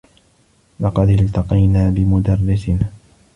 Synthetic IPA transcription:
lɑqɑd̪ɪlt̪ɑqɑjnaːbɪmʊd̪ɑrːɪsɪn

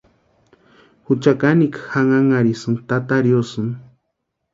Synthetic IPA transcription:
hut͡ʃakanikxaŋaŋaɾisɨŋt̪at̪aɾjosɨn

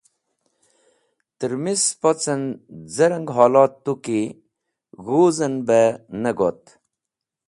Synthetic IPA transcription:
t̪əɾmispot͡sənd͡zɐɾɐŋɡɦaːlɑːt̪ːuki | ɣuːzənbenəɡot̪

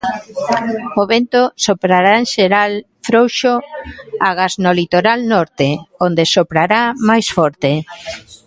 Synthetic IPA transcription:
oβent̪osopɾaɾaenʃeɾal | fɾowʃoaɣaznolit̪oɾalnɔɾt̪eond̪esopɾaɾamajsfɔɾt̪e

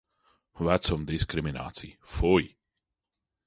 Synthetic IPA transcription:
vat̪sɔmd̪iskɾimina̰ːt̪sḭjfuj

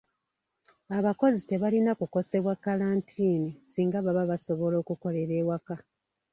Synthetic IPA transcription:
aβako̞zite̞βalinakuko̞se̞βwakalaːntʰiːnisiːŋɡaβaβaβaso̞βo̞lo̞ːkuko̞le̞ɾe̞ːwaka

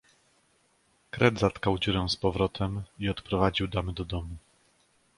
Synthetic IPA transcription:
kɾɛd̪zat̪kawd͡ʑuɾɛw̃spɔvɾɔt̪ʰɛmiɔt̪pɾɔvad͡ʑiwd̪amɘd̪ɔd̪ɔmu

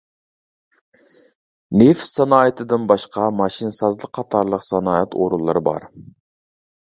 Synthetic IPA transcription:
nefsɑnɑːet̪ʰɨd̪ɪnbɑʃqɑmɑʃinsɑzlˠəq̚qʰːɑt̪ʰɑɾlˠəqsɑnɑːɛt̪ʰo̰ɾulˠːɨɾɨbɑ̰ɾ

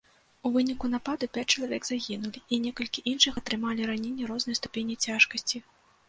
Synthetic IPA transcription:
uvɨnʲikunapad̪ɨpʲat͡sʲt͡ʂɐlˠavʲɛɡzaɣʲinulʲiʔinʲɛkɐlʲkʲiʔinʂɨxɐt̪ɾɨmalʲiɾanʲenʲːɐɾɔznɨjst̪u̥pʲenʲit͡sʲaʂkɐsʲt͡sʲi

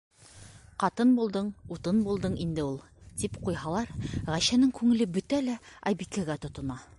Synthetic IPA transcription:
qɑt̪ɤnbulˠd̪ɤɴut̪ɤnbulˠd̪ɤɴind̪ɘulˠ | t̪ipqujɦɑlˠɑɾʁæɕænɘŋkʉŋɘ̆lɘbɵt̪ælæɒjbikæɡæt̪ŏt̪ŏnɑ

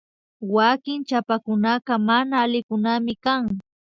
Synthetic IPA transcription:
wakɪŋt͡ʃapakʊnaqɑmanaːlɪkʊnamɪkaŋ

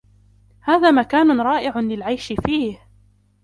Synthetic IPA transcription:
haːðaːmakaːnʊnɾˤɑːʔɪʕʊnlɪlʕajʃɪfiːh

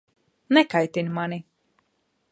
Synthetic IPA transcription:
nɛkajt̪inʲmani

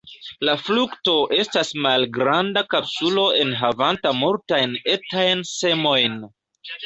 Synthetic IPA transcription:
laflukto̞ʔe̞stasmalɡɾandakapsulo̞ʔe̞nɦavantamultajne̞tajnse̞mo̞jn

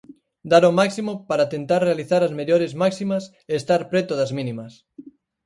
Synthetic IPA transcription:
d̪aɾomaksimopaɾat̪ent̪aɾrealiθaɾazmeʎoɾezmaksimɐs | eːst̪aɾpɾɛt̪oðɐzmĩnĩmɐs

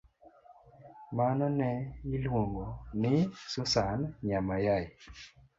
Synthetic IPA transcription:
manɔnɛilwuŋɡɔnɪsusanɲamajai

